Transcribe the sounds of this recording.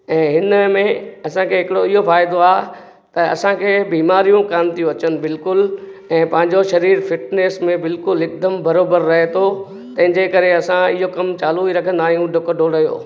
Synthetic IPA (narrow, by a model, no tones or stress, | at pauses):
ɛ̃ːɦɪnmẽɐsãkʰeːɦɪkɪɽoɪɦofaːɪd̪oaːɦe | t̪ɐɐ̰sãkʰeːbiːmaːɾijũkaːmt̪ijũɐt͡ɕənɪ̆bɪlkʊlɛ̃ːpɐ̃ɦɪ̃ɲ̆d͡ʑoʃɐɾiːɾfɪʈneːsmẽbɪlkʊlɪk̚d̪əmbɐɾoːbəɾːɐɦet̪ʰo | t̪ɐ̃ɦɪ̃ɲd͡ʑekɐɾeɐsãɪɦokɐmt͡ɕaːluiɾɐkʰə̃nd̪aːɦijũɖʱʊkɖʱoːɽɐjo̰ː